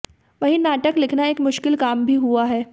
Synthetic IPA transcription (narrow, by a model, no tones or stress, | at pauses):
ʋɐɦĩnaːʈəklɪkʰnaeːkmʊʃkɪlkaːmbʱiɦuaɦɛː